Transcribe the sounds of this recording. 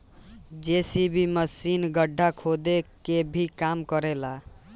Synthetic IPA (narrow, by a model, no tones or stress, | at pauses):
d͡ʒesibimʌsinɡʌɖʱːakʰod̪ekebʱikamkʌɾela